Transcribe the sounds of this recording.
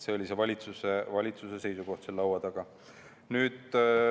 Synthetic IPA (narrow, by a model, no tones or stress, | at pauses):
se̞o̞lʲisevɑlʲit̪susevɑlʲit̪suse̞se̞jsuɡo̞ht̪selːɑwɑd̪ɑɡ̥ɑ | nyːd̪̥